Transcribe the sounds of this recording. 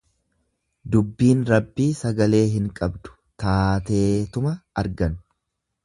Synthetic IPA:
d̪ʊbːiːnɾɐbːiːsɐɡɐle̞ːɦɪŋkʼɐbd̪ʊ̥ | t̪aːt̪e̞ːt̪ʊmɐɐɾɡɐn

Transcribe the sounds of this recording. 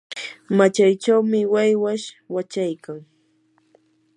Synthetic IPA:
mat͡ʃajt͡ʃawmɪwajwaʃ | wat͡ʃajkaŋ

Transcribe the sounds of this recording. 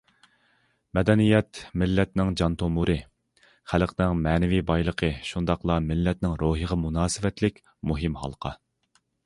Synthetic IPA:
mɛd̪ɛnijɛt̪mɪlːɛt̪nɪŋd͡ʒɑnt̪ʰomuɾɨ | χælqnɪŋmɛːnɪvibɑjlˠəqʰəʃund̪ɑqlˠɑmɪlːɛt̪̚nɪŋɾoɦəʁɑmunɑːsɪvɛt̪lɪkʲ | muɦɪmhɑ̰lˠqʰɑ

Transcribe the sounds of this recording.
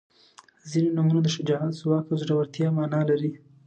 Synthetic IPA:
zinonumunod̪əʃɪd͡ʒɑɦat̪zwɑkawzɽawəɾt̪jɑmɑnɑlaɾi

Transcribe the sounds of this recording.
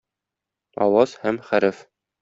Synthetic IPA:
ɒwɑzhæmχæɾɘf

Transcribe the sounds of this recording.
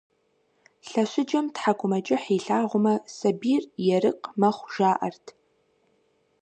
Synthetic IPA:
ɬɐɕɪd͡ʒɐmtħakʷʰʊmɐd͡ʒʼɐħiːɬaːʁʷʊmɐsɐbiːrjɛrɨqmɐχʷʒ̥aːʔɐ̰rtʰ

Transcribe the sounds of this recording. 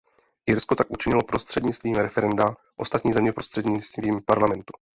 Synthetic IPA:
ʔɪɾskot̪akʔut͡ʃɪɲɪlo̞pɾo̞st̪r̝̥ɛdɲɪt͡st̪viːmɾɛfɛɾɛnda | ʔo̞st̪at̪ɲiːzɛmɲɛpɾo̞st̪r̝̥ɛd̪ɲɪt͡st̪viːmpaɾlamɛnt̪u̥

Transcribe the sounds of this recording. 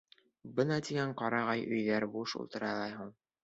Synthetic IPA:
bɤnɑt̪iɡæɴqɑɾɑʁɑjʔɵ̆jðæɾbuʃṵlˠt̪ɤ̆ɾɑlˠɑjɦuɴ

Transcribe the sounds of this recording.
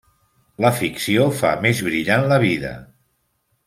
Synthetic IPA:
ləfiksiofa̰mezβɾiʎanləβ̞iðə̰

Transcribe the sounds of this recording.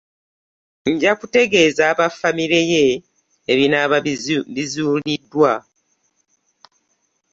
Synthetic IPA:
ɲɟakute̞ɡe̞ːzaːβafamiɾe̞je | eβinaβizuːlidːwa

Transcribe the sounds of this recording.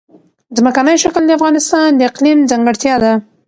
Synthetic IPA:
zməkanəjʃakəld̪əafɣɑnɪst̪ɑnd̪əɪqlimzaŋɡəɽt̪jɑd̪a

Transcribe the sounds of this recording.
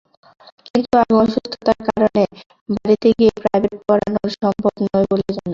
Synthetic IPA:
kint̪uaɡoʃust̪ʰːot̪aɾkaɾone | baɾit̪eɡiepɾajbeʈ̚kɔɾa̰noɾʃɔmbʱobnɔeboled͡ʑano

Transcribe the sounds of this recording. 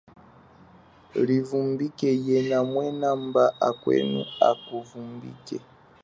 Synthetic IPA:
livumbikɛjɛnamwɛnambaʔakwɛ̰nṵakuvumbḭkɛ

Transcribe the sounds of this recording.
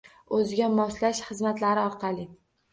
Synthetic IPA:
ɵzɪɡʲamɒslaʃχɨzmat̪laɾɪɒɾqʰɑlˠɪ

